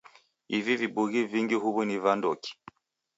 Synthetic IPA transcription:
ivivibuɣiviŋɡiɦuβunivandɔki̥

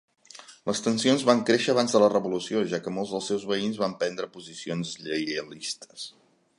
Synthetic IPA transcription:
lʔəst̪ənsionzβaŋkɾeʃəːβ̞anzðələrəβulusioʒakəmolˠzðəlˠsɛwzβəinzβampɛnd̪ɾəpuzisionzʎəjlist̪ə̥s

